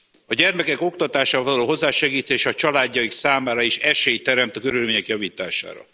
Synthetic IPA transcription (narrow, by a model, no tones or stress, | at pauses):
ɒɟɛrmɛkɛkokt̪ɒt̪aːʃaɒvɒlɒloːo̞zːaːʃɛɡiːt̪eːʃɒt͡ʃɒlaːɟːɒjiksaːmaːɾɒiʃɛʃeːjt̪ɛɾɛmt̪ɒkøɾylmeːɲɛkjɒviːt̪aːʃa̰ːɾɒ̰